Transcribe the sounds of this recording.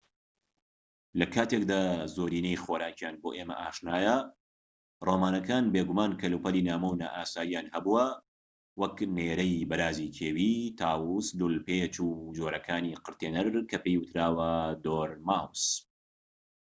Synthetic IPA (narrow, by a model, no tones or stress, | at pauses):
lɐkʰaːt̪ek̚d̪aːzoːɾiːnejxoːɾaːt͡ʃjaːnboːʔeːmɐ̰ʔaːʃnaːjɐ | roːmaːnɐkaːnbeːɡumaːnkʰɐluːpɐliːnaːmɐwna̰ːʔaːsaːjijaːnhɐbuwɐ | wɐkneːɾɐjbɐɾaːzikʰeːwiːt̪ʰaːwuslulpet͡ʃud͡ʒoːɾɐkʰaːniːqɨɾt̪eːnɐɾkʰɐpejwʊt̪ɾaːwɐd̪oːɾmaːws